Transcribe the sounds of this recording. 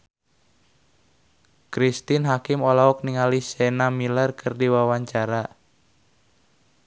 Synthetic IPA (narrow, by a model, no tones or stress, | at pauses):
kɾist̪inɦakɪmɔlaɔk̚niŋalisɛnamilərkʰɨrdiwawaɲt͡ʃaɾa